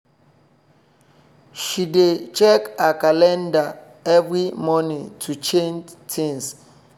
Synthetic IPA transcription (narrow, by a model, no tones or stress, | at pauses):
ʃidet͡ʃɛkakalɛ̃nda | ɛvɹimɔnĩŋtʰut͡ʃẽntʰĩŋs